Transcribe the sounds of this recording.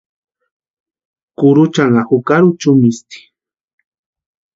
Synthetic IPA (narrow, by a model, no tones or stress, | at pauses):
kʊɾʊt͡ʃaŋahukaɾut͡ʃumist̪i̥